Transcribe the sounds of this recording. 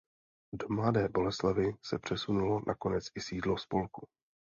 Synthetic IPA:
do̞mladɛːbo̞lɛslavɪsɛpr̝̥ɛsunulo̞nʔako̞nɛt͡sɪsiːdlospo̞lku

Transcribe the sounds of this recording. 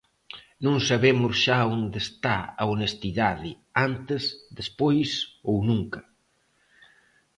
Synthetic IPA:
nũŋsaβemʊsʃaond̪est̪aa̰onest̪iðaðɪ | ant̪ezðespojsownũŋkɐ

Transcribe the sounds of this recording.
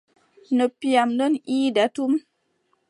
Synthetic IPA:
nəpjamləniːdatum

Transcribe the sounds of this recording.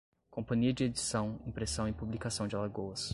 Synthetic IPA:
kõpɐ̃ɲiɐd͡ʒɪed͡ʒisɐ̃w̃ĩpɾesɐ̃w̃ɪpublikasɐ̃w̃d͡ʒɪlaɡowɐs

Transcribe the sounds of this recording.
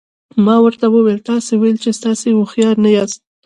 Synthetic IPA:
mɑwəɾt̪awəwelt̪ɑsewajlt͡ʃest̪ɑsewʊxjɑɾnajɑst̪̚

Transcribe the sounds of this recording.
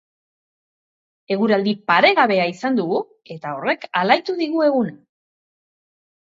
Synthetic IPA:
e̞ɣ̞uɾald̪ipaɾe̞ɣaβe̞aisand̪uɣu | e̞t̪ao̞re̞kalajt̪uðiɣue̞ɣuna

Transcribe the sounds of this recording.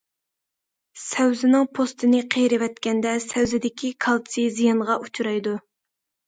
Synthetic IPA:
sɛwzɪnɪŋpʰost̪ʰɨnɨqʰejɾɪwɛt̪kʲɛnd̪ɛsɛwzɪd̪ɪkʲikʰɑlˠsizijɑnʁɑʔut͡ʃʰuɾɑjd̪u

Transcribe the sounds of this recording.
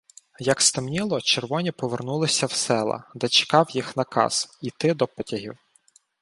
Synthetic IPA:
jɐkst̪ɪmnʲilˠɔt͡ʃerʋɔnʲipɔʋernulˠɪsʲɐwsɛlˠɐ̰d̪ɛt͡ʃɪ̥kɑwjixnɐkɑ̰z̥it̪ɪd̪ɔpɔtʲɐɦʲḭw

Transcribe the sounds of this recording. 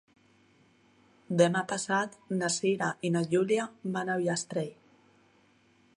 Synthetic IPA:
d̪emapasat̪nasiɾaʔinaʎuljabanawjast̪ɾej

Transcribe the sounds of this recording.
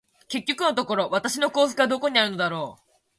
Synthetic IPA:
ke̞kʲːo̞kɯ̟no̞t̪o̞ko̞ɾo̞βat̪aɕino̞ko̞ːsɯ̥kɯɡad̪o̞ko̞ɲ̟iaɾɯ̟no̞d̪aɾo̞ː

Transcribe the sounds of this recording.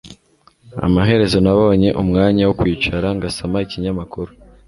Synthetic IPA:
a̰maɦe̞ɾe̞zo̞naβo̞ɲe̞ʔumŋaːɲawokwiːt͡ʃaɾaŋɡasamaiciɲamakuɾu

